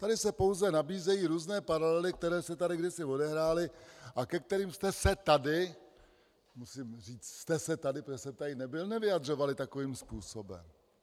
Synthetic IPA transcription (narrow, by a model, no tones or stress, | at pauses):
t̪adɪsɛpowzɛnabiːzɛjiːɾuːznɛːpaɾalɛlɪk̚t̪ɛɾɛːsɛt̪adɪɡdɪsɪvo̞dɛɦɾaːlɪʔakɛk̚t̪ɛɾiːmst̪ɛsɛt̪adɪ | musiːmriːt͡sst̪ɛsɛt̪adɪprɛsɛt̪ajɪnɛbɪlnɛvɪjad̪r̝o̞valɪt̪ako̞viːmspuːsobɛ̰m